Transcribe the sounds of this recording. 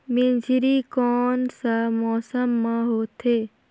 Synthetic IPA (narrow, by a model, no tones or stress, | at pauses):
mẽnd͡ʒʱɾikɔːnsamɔːsəmːãɦoːt̪ʰeː